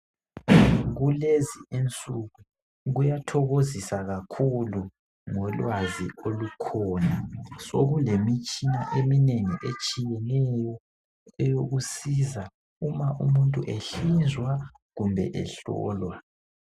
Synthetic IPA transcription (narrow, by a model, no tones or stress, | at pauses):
ɣulezient͡sʼuɣu | ɣujatʰɔɣozisaɣakʰulu | ŋɔlwaziolukʰɔːnasoɣulemit͡ʃʼinaʔemineŋiʔet͡ʃʼijɛnɛjɔ | ɛjoɣusiza | umaʔumuntʼuʔeɬizwa | ɣumbʱɛ̰ʔɛ̰ɬɔ̰ːlwa